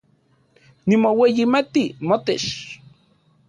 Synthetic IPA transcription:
nimowejimat̪imot̪eʃ

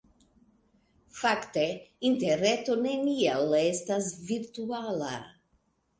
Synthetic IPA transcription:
fakteinteɾeto̞nenialestasviɾt̪uala̰

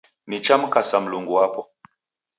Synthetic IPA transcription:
nit͡ʃamkasamluŋɡuapɔ

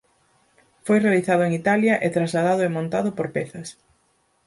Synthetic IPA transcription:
fojrealiθað̞ʊeŋit̪aljɐʔet̪ɾazlað̞aðʊemõnt̪aðʊpoɾpɛθɐs

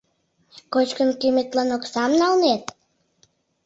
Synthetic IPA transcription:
kot͡ɕkənkymet̪lɑnoksɑmnɑlnet̪̚

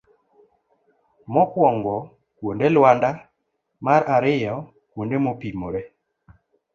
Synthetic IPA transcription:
mɔkwɔŋɡɔ | kwondelwanda | maɾaɾɪjɔ | kwondemopimoɾɛ

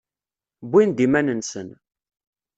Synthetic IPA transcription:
bʷːind̪imænənsən

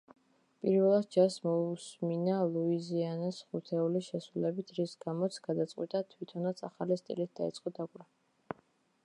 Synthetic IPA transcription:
pʼiɾvɛlˠad̪̚d͡ʒasmɔusminalˠuizianasχut̪ʰɛuliʃɛsɾulɛbit̪ʰɾisɡamɔt̪sʰɡ̥ad̪at̪sʼqʼwḭt̪ʼat̪ʰwit̪ʰɔnat̪sʰa̰χalist̪ʼḭlit̪̚ʰd̪aḭt̪sʼqʼɔd̪akʼɾa

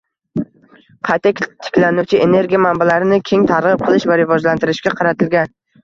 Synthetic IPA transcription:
qʰɑjt̪ʰakʲt̪ʰɪ̥kʲlanʊwt͡ʃʰɪe̞ne̞ɾɡʲijamambalaɾɪnɪkʲʰe̞ŋt̪ʰaɾʁɨp̚qʰɨlˠɪʃvaɾɪvɒd͡ʒlant̪ɪɾɪʃkʲaqʰɑɾat̪ʰɪlɡʲan

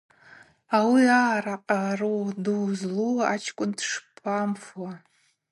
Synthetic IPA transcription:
awiaɾaqʼaroduwzlua̰t͡ʃʰkʷʼʊndʂpʰamfwa

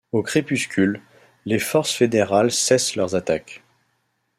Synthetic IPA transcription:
okχepyskʲylː | efɔʁsfed̪eʁalsɛslœʁzat̪ak

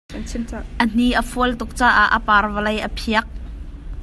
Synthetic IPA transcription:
ʔən̥iʔəfuəlt̪ʊk̚t͡saːʔaʔəpaːrvəlɐjʔəpʰiək̚

